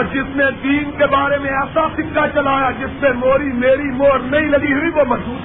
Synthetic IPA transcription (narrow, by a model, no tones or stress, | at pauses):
ɾd͡ʒɪsned̪iːnkebaːɾemẽɛːsasɪkːat͡ʃɐlaːjad͡ʒɪspemoːɾimeːɾimoːɾnɐɦĩlɐɡiɦʊiʋomɐzd͡ʒuːd̪